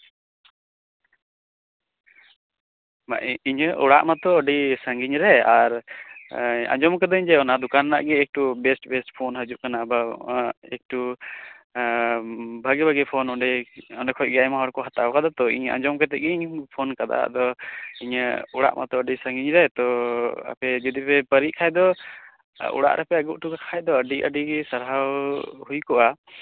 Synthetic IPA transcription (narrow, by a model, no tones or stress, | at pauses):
ma̰ʔiɲəʔɔɽaʔmat̪ɔːɖisaŋɡiɲɾɛaɾ | ã̰d͡ʒɔmkad̪ɔiɲd͡ʒ̪ɛɔnad̪ukanːa̰ʔɡɛːk̚ʈubɛsʈbɛsʈpʰɔnɦəd͡ʒuʔ̚kanabaɛk̚ʈu | bʱaɡɛbʱaɡɛpʰɔnɔɖɛɔɳɖɛkʰɔc̚ˀɡɛajmaɦɔɾkɔɦat̪awkad̪at̪ɔḭɲã̰d͡ʒɔmkɛt̪ɛʔɡɛiɲpʰɔnkad̪a̰a̰d̪ɔiɲuɽa̰ʔmʔat̪ɔəɖisəŋɡiɲɾajt̪ɔa̰pɛd͡ʒəd̪ipɛpəɾiʔkʰajd̪ɔ | ṵɽa̰ʔɾʔɛpɛaɡuʔ̚ʈuɡakʰajd̪ɔəɖiʔə̰ɖiɛsəɾɦawhujkɔʔa